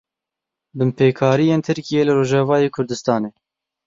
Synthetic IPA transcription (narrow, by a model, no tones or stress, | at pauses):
bɨmpʰeːkʰɑːɾijeːnt̪ʰɨɾkijeːlɨɾoːʒɑːvɑːjeːkʰʊɾd̪ɨst̪ɑːneː